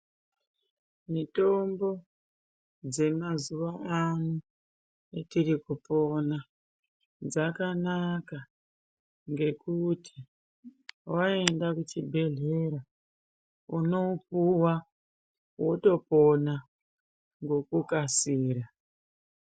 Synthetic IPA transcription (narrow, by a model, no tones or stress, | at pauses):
mito̞mbo̞ | d͡ze̞mazuʋaːnu | etiɾikupo̞na | d͡zakanaka | ŋɡe̞kutʰi̥ | wae̞ndakut͡ʃibʱe̞ɮe̞ɾa | uno̞upuwa | woto̞po̞na | ŋɡo̞kukasiːɾa